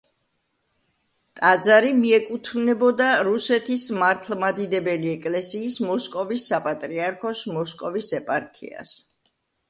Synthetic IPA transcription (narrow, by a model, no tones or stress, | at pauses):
t̪ʼad̪zaɾimiɛkʼut̪ʰvnɛbɔd̪aɾusɛt̪ʰismaɾt̪ʰlˠmad̪id̪ɛbɛliɛkʼlɛsiːsmɔskʼɔvisːapʼat̪ʼɾiaɾkʰɔsmɔskʼɔvisɛpʼaɾkʰḭa̰s